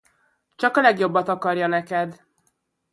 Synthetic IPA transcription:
t͡ʃɒkɒlɛɡjo̞bːɒt̪ɒkɒrjɒnɛkɛd̪

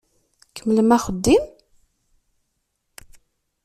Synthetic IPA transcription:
kəmːləmæχəd̪ːim

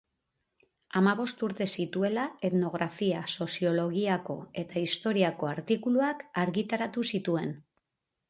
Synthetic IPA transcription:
amaβo̞st̪uɾt̪e̞sit̪ue̞lae̞t̪no̞ɣ̞ɾafiaso̞sio̞lo̞ɣiako̞̰e̞t̪aist̪o̞ɾiako̞aɾt̪ikuluakaɾɣit̪aɾat̪usit̪ue̞n

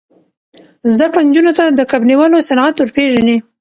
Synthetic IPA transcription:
zd̪akɽond͡ʒunot̪ad̪əkabniwəlosanat̪wəɾpeʒani

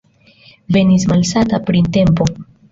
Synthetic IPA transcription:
ve̞nis̬malsatapɾinte̞mpo̞

